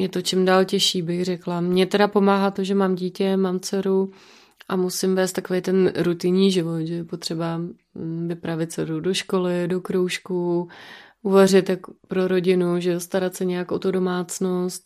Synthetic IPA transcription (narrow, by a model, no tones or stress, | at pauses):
jɛt̪o̞t͡ʃɪmdaːlcɛʃiːbɪɣrɛklamɲɛt̪ɛdapo̞maːɦat̪o̞ʒɛmaːmɟiːcɛmaːmt͡sɛɾu | ʔamusɪmvɛːst̪akovɛjt̪ɛnɾut̪ɪɲiːʒɪvo̞t̪ʒɛjɛpot̪r̝̥ɛba | vɪpɾavɪt̪̚t͡sɛɾudo̞ʃko̞lɪdo̞kɾowʃku | ʔuvar̝ɪt̪jako̥pɾoɾo̞ɟɪnuʒɛost̪aɾat̪sɛɲɛjakʔot̪udo̞maːt͡snost̪̚